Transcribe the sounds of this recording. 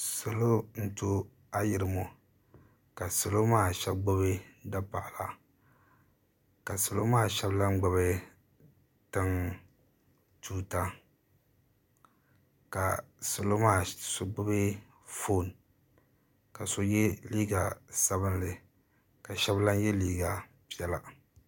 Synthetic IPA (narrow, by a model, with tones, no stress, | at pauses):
so˨lo˦n̩˦to˦ | a˦jɪ˨ɾɨ˨mo˨ | ka˨so˨lo˦maː˦˨ʃɛ˦bɡ͡bo˦be˦da˦pa̰˨ʔla̰˨ | ka˨so˨lo˦maː˦˨ʃɛ˦bla˦ŋ͡mɡ͡ba˨βɛ˦ | tɨ˦ŋ | tuː˦ta˦ | ka˨so˨lo˦maː˦˨so˦ɡ͡bʊ˦be˦ | fo˦˨n | ka˨so˦jɛ˦liː˦ɡa˨sa˦bɨ˦nlɨ˨ | ka˨ʃɛ˦bla˦njɛ˦liː˦ɡa˨ | pi˦ɛ˨la˨